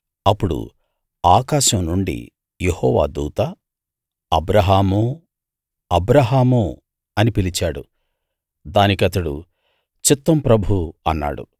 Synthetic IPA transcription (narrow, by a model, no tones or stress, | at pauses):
ɐpːuɽṵ | aːkaːʃɐmnuɳɖḭ | jehɔːʋa̰ːd̪uːt̪aː | ɐbɾɐɦaːmoː | ɐbɾɐɦaːmo | ɐnipilit͡ʃaːɽṵ | d̪aːnikɐt̪ɐɽṵ | t͡ʃit̪ːɐmpɾɐbʱuɐnːa̰ːɽṵ